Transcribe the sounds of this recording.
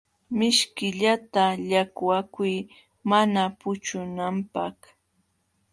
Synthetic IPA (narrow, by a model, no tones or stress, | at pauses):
mɪʃkɪʎat̪aʎakwakʊj | manapʊt͡ʃʊnampak